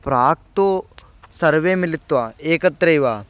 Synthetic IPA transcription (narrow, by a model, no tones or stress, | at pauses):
pɾaːk̚t̪oː | səɾʋeːmɪlɪt̪ːʋaːeːkət̪ːɾəiʋaː